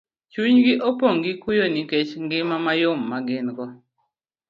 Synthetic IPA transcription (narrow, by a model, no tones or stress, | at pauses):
t͡ʃuɲɡɪʔopoŋɡɪkujoniket͡ʃŋɡɪmamajomːaɡɪnkɔ